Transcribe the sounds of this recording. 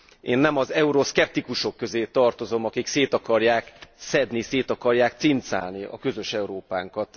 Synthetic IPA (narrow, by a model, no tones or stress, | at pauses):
eːnːɛmɒzɛuɾoskɛp̚t̪ikuʃo̞kːø̞zeːt̪ɒrt̪o̞zo̞mɒkikseːt̪ɒkɒrjaːksɛd̪niseːt̪ɒkɒrjaːk̚t̪sint̪sa̰ːlniʔɒ̰kø̞zø̞ʃɛuɾoːpaːŋkɒt̪